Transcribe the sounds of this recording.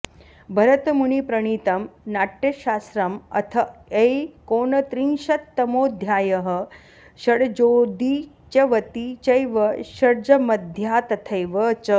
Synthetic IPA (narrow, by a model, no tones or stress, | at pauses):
bʱɐɾɐt̪muɳipɾɐɳ̃iːt̪ɐmnaːʈjɐɕaːsɾɐmɐ̰t̪ʰɐejkoːɳɐt̪ɾinʃɐt̪ːɐmoːd̪ʱjaːjɐɦɐ̆ | ɕɐɽd͡ʒoːd̪i | t͡ʃɐʋɐt̪it͡ʃɐjʋɐɕɐɽd͡ʒɐmɐd̪ʱjaːt̪ɐt̪ʰɐjʋɐt͡ʃɐ